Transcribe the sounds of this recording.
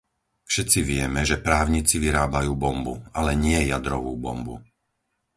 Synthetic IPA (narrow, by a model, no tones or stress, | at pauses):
fʃɛt̪t͡siʋɪɛmɛʒɛpɾaːʊɲit͡siʋiɾaːbajuːbɔmbualɛɲɪɛjad̪ɾɔʋuːbɔ̰mbṵ